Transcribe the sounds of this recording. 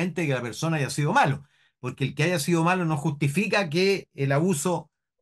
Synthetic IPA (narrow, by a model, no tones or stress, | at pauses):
ent̪eekelapeɾsonaajasiðomalo | poɾkeːlkeaʝasiðomalonoxuht̪ifikak̬eːlaβuso